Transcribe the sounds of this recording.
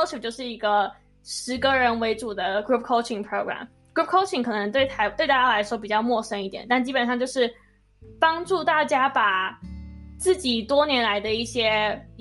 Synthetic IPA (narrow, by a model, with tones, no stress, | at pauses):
ʊu˨˩t͡ɕjo˥˧ʊʂɻ̩˥˩i˧˥ɡə˧ | ʂɻ̩˧˥kə˧ɻə˧˥nwe˧˥ɪʈ͡ʂu˨˩d̪ə˦ɡɹu˥p̚ʰkʰo˥ʊt͡ʃʰi˨˩ŋpʰɹo˥ʊɡɹa̰˨˩m | ɡɹu˥p̚kʰo˥ʊʈ͡ʂʰi˨˩ŋkʰɤ˨˩nə˧˥ŋt̪we˥˩ɪt̪ʰa˧˥ɪt̪we˥˧t̪a˥˩t͡ɕja˥la˧˥ɪʂwɔ˥p̬i˨˩t͡ɕjɑ˥˧ʊmwɔ˥˩ʂə˥ŋi˥˩t̪jɛ̰˨˩nt̪a˥˩nt͡ɕi˥pə˨˩nʂɑ˥˧ŋt͡ɕjo˥˧ʊʂɻ̩˥˩ | pɑ˥ŋʈ͡ʂu˥˧t̪a˥˩t͡ɕja˥pa˨˩ | t͡sɹ̩˥˩t͡ɕi˨˩t̪wɔ˥njɛ˧˥nla˧˥ɪd̪ə˧i˥˩ɕjɛ˥